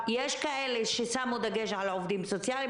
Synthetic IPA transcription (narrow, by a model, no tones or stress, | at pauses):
jeʃkaʔeleʃesamud̪aɡeʃʕalaovd̪imsot͡sjali